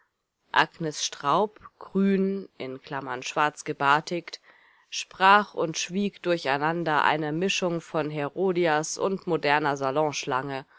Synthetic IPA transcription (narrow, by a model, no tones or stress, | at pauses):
ʔa̰ɡnɛsʃtʁ̥aʊpɡ̥ʁyːnʔɪnkʰl̥amɐnʃv̥aɐt͡sɡ̥əbaɐtʰɪkt | ʃpʁ̥aːχʊntʃv̥iːkd̥ʊɐçaɪnandɐʔa̰ɪnəmɪʃʊŋfɔnɦɛʁoːdiasʊ̰ntmodɛɐnɐzalɔ̃ʃlaŋə